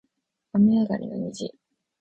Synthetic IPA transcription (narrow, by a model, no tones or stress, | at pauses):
amʲiaɡaɾʲinaɲid͡ʑi